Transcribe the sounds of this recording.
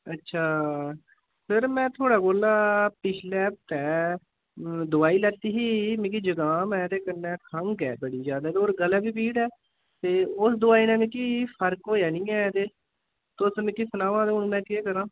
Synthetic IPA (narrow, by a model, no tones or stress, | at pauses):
ətːʃʰaː | səɾmɛ̃ːt̪ʰoːɽaːkoːlaːpɪt͡ʃʰlɛːp̚t̪ɛː | d̪ʊaːiːlət̪iːɦiːmẽːk̬iːd͡ʒəɡãːmɛ̃ːd̪eːkənːɛːkʰəŋɡɛ̰ːbəɽiːzjaːd̪aːt̪oːɾɡəlɛːbiːp̬iːɽɛː | t̪eːʊsd̪ʊaːiːnɛ̃ːmɪ̃ːkiːpʰəɾkoːjaːnĩːɛːt̪eː | t̪ʊsmɪ̃ːkisənaːʋãːd̪eʊnːmɛ̃ːkeːkəɾãː